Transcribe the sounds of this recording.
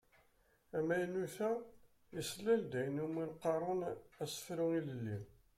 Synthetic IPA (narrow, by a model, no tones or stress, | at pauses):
æmæjnuθæ | jəslːæld̪æjənuminqːɑɾˤonæsə̥fɾuŋiləlːi